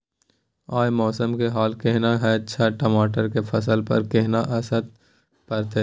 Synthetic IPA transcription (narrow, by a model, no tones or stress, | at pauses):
aːjmɔːsəmkeɦaːlkeɦnaɦɛʃʰaʈəmaːʈəɾkefʰɐsəlpɐ̰ɾkeɦnaʔɐsəd̪̚ | pɐɾt̪e